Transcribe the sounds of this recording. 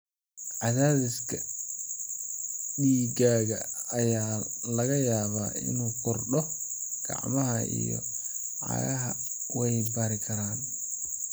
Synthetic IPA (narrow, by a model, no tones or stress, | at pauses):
ʕɑðaːðɪskʰɐ | ɗiːɡaːɣɐːjaːlɐɣɐjaːβaːɪ̰nuːkʰʊrɗɔɡ̥ɑ̰ʕmɐɦɐḭjɔ̰ | ʕɑ̰ɣɐɦɐ | wɛjɪbaɾɪkʰɐɾaːn